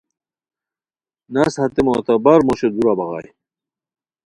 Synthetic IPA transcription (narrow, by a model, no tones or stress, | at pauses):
nɐshɐt̪emoːt̪abɐɾmoɕed̪uɾabɐɣa̰j